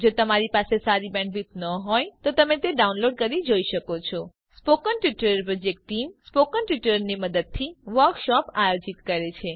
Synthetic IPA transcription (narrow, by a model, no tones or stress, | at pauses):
d͡ʒot̪əmaɾipasesaɾibɛ̃ɳɖʋit̪nəɦɔjt̪ot̪əmet̪eɖaunloɖ̚kəɾid͡ʒoiʃəkot͡ʃʰɔ | spokənʈʋiʈəɾəɾpɾɔd͡ʒek̚ʈːimspokənʈʋiʈəɾniməd̪əd̪̚t̪ʰiʋəɾkʃɔpajod͡ʒit̪kəɾet͡ʃʰe